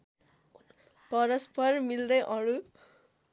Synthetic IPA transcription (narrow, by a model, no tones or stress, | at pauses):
pʌɾʌspʌrmild̪ʌjʔʌɽu